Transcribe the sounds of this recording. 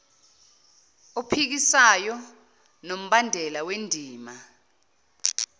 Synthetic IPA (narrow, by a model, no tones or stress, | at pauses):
upʰik̬isajɔ | nom̩ɓandʱɛlawendʱiːma